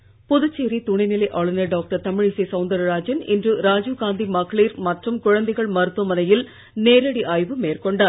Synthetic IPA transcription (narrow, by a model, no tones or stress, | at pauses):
pʊðʊt͡ʃːeːɾit̪ʊɳɪnɪlɐɪʔɐɭɐnɐɖaːk̚ʈɐɾt̪ɐmɪɻisisɐʊnd̪ɐɾɾaːd͡ʒɪnɪ̰ndrɯɾaːd͡ʒuɣaːnd̪imɐɣɐɭiːɾmɐʈrɯmkʊɻɐnd̪ɐɪɣɐɭmɐɾɯt̪ːʋɐmɐnɐjɪl | neːɾɐɽiʔaːjʋɯmeːrkɔɳɖaːɾ